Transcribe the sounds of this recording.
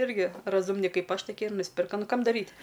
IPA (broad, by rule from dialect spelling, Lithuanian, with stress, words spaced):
ˈɪrʲɡʲɪ rɐˈzʊmʲnʲɪ ˈkɐɪp ˈɐʃ toːˈkʲiɛ ɪr nʊsʲˈpʲɪrkɐ ˈnʊ ˈkɐm dɐˈrʲiːtʲ